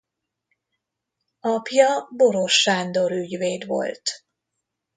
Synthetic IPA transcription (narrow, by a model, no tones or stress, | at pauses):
ɒpjɒbo̞ɾo̞ʃːaːnd̪o̞ɾyɟveːd̪ʋo̞̰lt̪